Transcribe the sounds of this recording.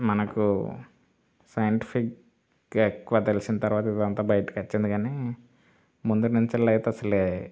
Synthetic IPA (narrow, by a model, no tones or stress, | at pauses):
mɐnɐku | sɐjɐɳʈi̥pʰik | ekːuʋaːt̪elisinɐt̪ɐɾuʋaːt̪id̪ɐnt̪aːbɐjɐʈi̥kɐt͡ʃːind̪iɡaːneː | mund̪unuɲt͡ʃilɐjt̪eɐsɐleː